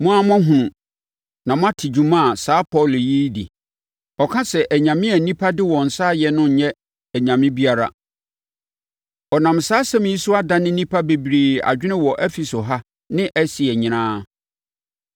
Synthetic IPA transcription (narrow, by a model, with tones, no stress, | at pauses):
mʊ̃˦a˦m˦ɔ̃˦ɦũ˨ũ˨ | nã˨mʊ̃˦a˦tʰɪ˨d͡ʑu˨mã˦˨saː˦pʰɔ˦˨lji˦dḭ˨ | ɔ˨kʰã˦sɛ˨ʔæ˨ɲã˨mɪ̃˦æ˨nĩ˦pʰa˦dɪ˦wɔ̃˨n̩˨saː˦jɛ˨nʊ̃˦˨ɲɛ̃˦ | æ˨ɲã˨mɪ̃˦bi˦a˨ɾa̰˨ | ɔ˨nã˨msaː˦sɛ˦m̃˨i˦su˦a˦da˦nɪ̃˦nĩ˦pʰa˦be˨bɾiː˨a̰˨d͡ʑᶣɪ˦nɪ̃˦wɔ˨ʔɛ˦fi˨so˨ɦa˦ | nɪ̃˦ʔæ˦si˨ɛ˨ɲɪ̃˨ñãː˦